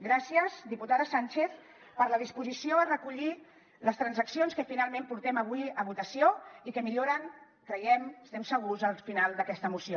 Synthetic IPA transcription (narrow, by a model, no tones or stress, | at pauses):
ɡɾasiəzd̪iput̪aðəsanʲt͡ʃeθ | pəɾləð̞ispuzisioərəkuʎi | ləst̪ɾənzəksionskəfinalˠmẽmpuɾt̪ɛməβ̞uiəβ̞ut̪əsioikəmiʎoɾəŋ | kɾəjɛməst̪ɛmsəɣ̞uzəlˠfinalˠd̪əkɛst̪əmusio